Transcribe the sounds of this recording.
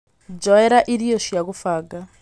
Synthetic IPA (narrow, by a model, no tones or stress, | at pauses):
d͡ʒɔɛɾaʔiɾijɔʂijakufaːɡa